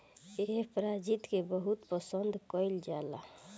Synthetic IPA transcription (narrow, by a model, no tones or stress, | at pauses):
eɦpɾad͡ʒit̪kebəɦut̪pəsənd̪ʱkəɪld͡ʒala